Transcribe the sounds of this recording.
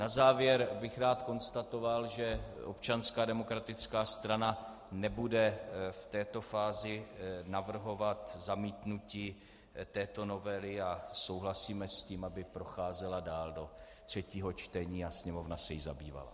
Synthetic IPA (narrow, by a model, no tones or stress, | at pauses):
nazaːvjɛɾbɪxɾaːt̪ko̞nst̪at̪o̞valʒɛʔo̰p̚t͡ʃanskaːdɛmo̞kɾat̪ɪt͡skaːst̪ɾana | nɛbudɛft̪ɛːt̪o̞faːzɪnavr̩ɦo̞vat̪zamiːt̪nuciː | t̪ɛːt̪o̞no̞vɛlɪaso̞wɦlasiːmɛsciːmabɪpɾoxaːzɛladaːldo̞ | t̪r̝̥ɛciːɦo̞t͡ʃt̪ɛɲiːasɲɛmo̞vnasɛjɪza̰bḭːva̰la̰